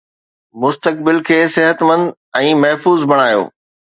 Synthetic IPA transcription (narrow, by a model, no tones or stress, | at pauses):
mʊst̪ək̚bɪlkʰeːsɪɦət̪mə̃nd̪ | ɛ̃ːmɐɦfuːzbʱɐɽ̃aːjo̰ː